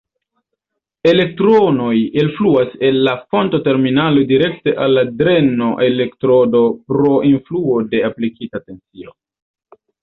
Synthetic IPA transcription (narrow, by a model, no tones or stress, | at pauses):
e̞le̞k̚tɾo̞no̞jinfluase̞nːafo̞ntote̞ɾminalo̞diɾe̞kte̞ʔalːadɾe̞no̞ʔe̞le̞ktɾo̞do̞pɾo̞ʔinfluo̞de̞aplikitate̞nt͡sio̞